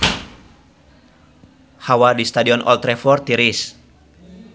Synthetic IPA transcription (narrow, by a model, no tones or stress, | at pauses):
hawadist̪adiɔnʔɔ̰lt̪ɾɛfɔrt̪iɾis